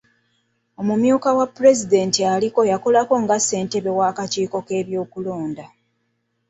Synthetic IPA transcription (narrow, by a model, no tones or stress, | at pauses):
o̞mumjuːkawapːuɾe̞zide̞ntialiko̞jako̞lako̞ŋɡase̞ːnte̞βe̞waːkaciːko̞ke̞ːβjo̞ːkulo̞ːnda